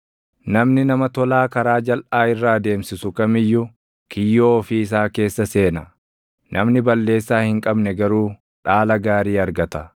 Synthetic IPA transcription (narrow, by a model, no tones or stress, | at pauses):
nɐmnɪnɐmɐt̪ɔlaːkɐɾaːd͡ʒɐlʔaːɪrːaːd̪e̞ːmsɪsʊkɐmɪjːʊ | kɪjːoːfiɪs̬aːke̞ːsːɐse̞ːnɐ | nʔɐmnɪbɐlːe̞ːsːaːhɪŋkʼɐbnɛɡɐɾuː | ᶑaːlɐɡaːɾiːɐɾɡɐt̪ɐ